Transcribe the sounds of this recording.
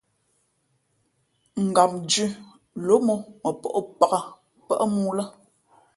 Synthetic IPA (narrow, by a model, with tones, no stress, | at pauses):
ŋ̩˨ɡa˨p̚nd͡ʒʉ˦ | lo˨˦mɔ˦mə˨pɔ̰˦ʔpa˨ɣa˦˨ | pə̰˦ʔmuː˦lə˦